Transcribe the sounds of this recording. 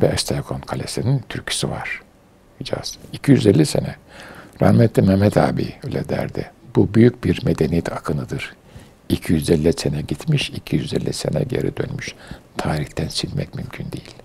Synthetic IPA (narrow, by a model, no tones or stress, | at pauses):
vɛaʃt̪ʰalkʰonkʰalʲesinint̪ʰyɾcʰy̥siva̰ɾ̥ | id͡ʒa̰z̥icʰijyzɛlʲːisenɛɾa̰hmɛt̪lːimɛmɛt̪ʰa̰ːbḭølʲɛd̪æ̰ɾd̪ɪ̰b̥ubyjyc̚biɾmed̪enijɛt̪ʰakʰɯnɯd̪ɯɾ̥ | icʰijyzɛlʲːɛsenɛɟit̪miʃicʰijyzɛlʲːisḛnɛ̰ɟḛɾʔḭd̪ø̰nmyʃt̪ʰaːɾiçt̪ʰænt͡ʃʰinmɛcmymcʰynd̪ejilʲ